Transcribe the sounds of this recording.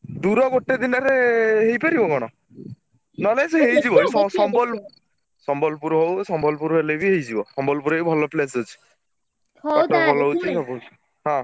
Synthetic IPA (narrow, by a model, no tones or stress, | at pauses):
d̪uɾɔɡoʈed̪inɔɾeɦejpaɾibɔɡɔɽ̃ɔ | nɔleseɦejd͡ʒibɔesɔsɔmbɔl | sɔmbɔlpuɾɔɦowsɔmbɔlpuɾɔɦelebiɦejd͡ʒibɔsɔmbɔlpuɾebʱɔlɔples̬ɦut͡ʃʰi̥ | ɔʈɔbʱɔlɔut͡ʃʰisɔbɔut͡ʃʰi̥ | ɦɔ̃